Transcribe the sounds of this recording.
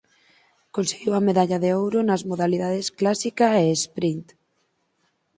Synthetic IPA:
konseɣiwɐmeðaʎaðeowɾonazmoðaliðaðesklasikaeːspɾint̪

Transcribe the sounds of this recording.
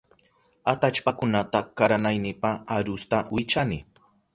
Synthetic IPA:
at̪at͡ʃpakʊnat̪akaɾanajnɪpaaɾʊst̪awɪt͡ʃanɪ

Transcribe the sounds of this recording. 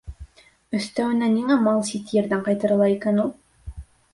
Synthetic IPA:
ɵ̆st̪æwɘ̆næniŋæmɑlˠsit̪jeɾdæɴqɑjt̪ɤ̆ɾɤ̆lˠɑikænulˠ

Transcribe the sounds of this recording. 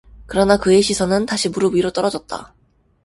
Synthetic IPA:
kɯɾʌnakɯeɕʰisʰʌnɯntaɕʰimuɾubiɾot͈ʌɾʌd͡ʑʌt̚t͈a̰

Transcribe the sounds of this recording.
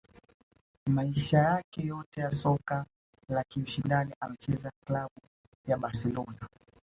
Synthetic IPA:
maiʃajakɛjɔtɛjasɔka | lakiuʃindaniʔamɛt͡ʃɛzaklaɓu | jaɓasɛlɔna

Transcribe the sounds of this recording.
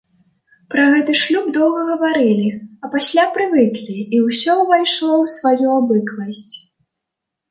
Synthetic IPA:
pɾɐɣɛt̪ɨʂlʲub̚d̪ɔwɣɐɣɐvaɾɨlʲiɐpasʲlʲapɾɨvɨklʲiːwsʲɔwvajʂlˠɔwsvajuabɨklˠɐsʲt͡sʲ

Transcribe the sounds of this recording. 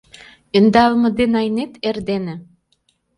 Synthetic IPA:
ynd̪ɑlmɤ̆d̪enɑjnet̪erd̪enĕ

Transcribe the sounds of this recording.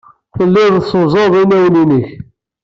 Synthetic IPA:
θəlːɪðsozˤɑðˤinæjninəç

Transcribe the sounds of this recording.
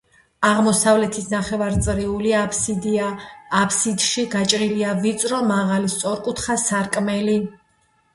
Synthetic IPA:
aʁmɔsavlɛt̪ʰisnaχɛvaɾt̪sʼɾiuliad̪ː | pʰsid̪ʃiɡat͡ʃʼɾiliavit̪sʼɾɔmaʁalist̪sʼɔɾkʼut̪ʰχasaɾkʼmɛli

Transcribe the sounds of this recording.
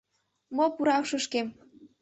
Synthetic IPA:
mopuɾɑwʃɤ̆ʃkem

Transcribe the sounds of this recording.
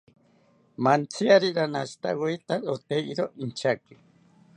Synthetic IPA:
mant͡sʰiaɾiɾanaʃi̥t̪a̰woit̪aɾot̪eiɾoʔint͡ʃʰaki

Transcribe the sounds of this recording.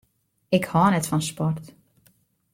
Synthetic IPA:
ɪkhɔnɛtfɔnspɔrt

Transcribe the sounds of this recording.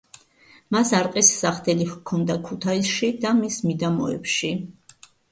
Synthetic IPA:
masaɾqʼisːaχt̪ʰɛlikʰɔnd̪akʰut̪ʰaisʃid̪amismid̪amɔ̰ɛ̰pʃi

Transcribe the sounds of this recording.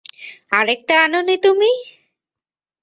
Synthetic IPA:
aɾek̚ʈaanonit̪umi

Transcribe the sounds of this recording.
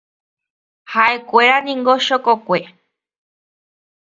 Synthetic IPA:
haʔekʷeɾanĩŋɡoʃokokʷe

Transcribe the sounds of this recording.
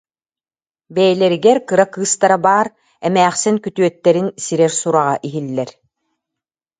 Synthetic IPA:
bɛjlɛɾiɡɛɾkɯɾakɯːst̪aɾabaːɾ | ɛmæːχsiŋkyt̪yœt̪ːɛɾinsiɾɛɾsuɾaʁaʔiɦilːɛɾ

